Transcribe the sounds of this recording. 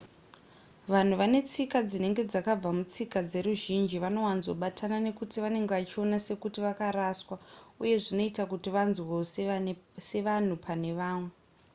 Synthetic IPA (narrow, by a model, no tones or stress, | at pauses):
ʋan̤uʋane̞t͡sikad͡zine̞ŋɡe̞d͡zakab͡vamut͡sikad͡ze̞ɾuʒind͡ʒiʋano̞wanzo̞ɓatʰanane̞kutiʋane̞ŋɡeʋat͡ʃio̞nase̞kutiʋakaɾaswauje̞ʐino̞itakutiʋanzwo | se̞ʋan̤upʰane̞ʋaːmwe